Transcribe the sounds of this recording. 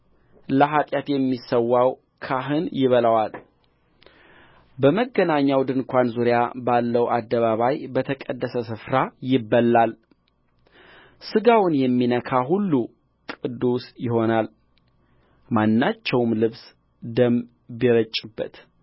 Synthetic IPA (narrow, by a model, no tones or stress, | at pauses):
ləɦat̪ʼjat̪jɛmːisəwːaw | kʰaɦɨnjɪβələwal | bəməɡənaɲːawd̪ɨnkʷanzuɾjabalːəwʔad̪ːəβaβajbət̪ʰəkʼəd̪ːəsəsɨfɾajɪbːəlːal | sɨɡawnjɛmːinəkʰaɦulːu | kʼɨd̪ːusjɪho̞nal | manːat͡ʃːɛwmlɨβs | d̪əm | biɾət͡ʃʼːɪbːə̰t̪